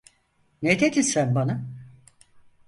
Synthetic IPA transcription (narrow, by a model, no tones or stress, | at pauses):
net̪ʰed̪isænbana